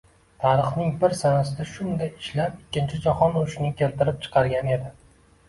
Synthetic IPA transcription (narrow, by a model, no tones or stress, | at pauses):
t̪ʰaɾɨχnɪŋbɪɾsanasɪd̪aʃʊnd̪ajɪʃlapɪkʲːɪnt͡ʃʰɪd͡ʒaχɒnʊʃɪnɪkʲʰe̞lt̪ɪɾɪp̚t͡ʃʰɨ̥qʰɑɾɡʲane̞d̪ɪ